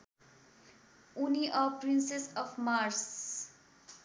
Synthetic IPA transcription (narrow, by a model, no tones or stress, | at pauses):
uniʔɔːpɾɪ̃nsesɔːfmaːɾs